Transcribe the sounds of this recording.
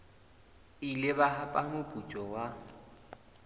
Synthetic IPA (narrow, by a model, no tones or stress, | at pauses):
ilɪbaɦapʼamʊpʼut͡ʃʼɔwa